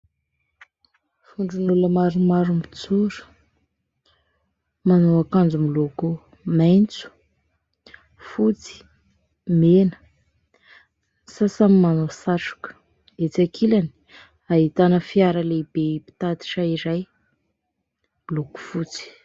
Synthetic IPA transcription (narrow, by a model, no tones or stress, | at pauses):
fuɳɖ͡ʐunuləmaɾumaɾumit͡suɾə̥ | manoakand͡zumiloko | majnt͡su̥ | fut͡si̥ | menə̥ | sasamimanosaʈ͡ʂu̥kə̥ | et͡sakʰilani̥ | aɦit̪anəfiaɾəlebepi̥t̪at̪i̥ʈ͡ʂaiɾaj | iloku̥fut͡si̥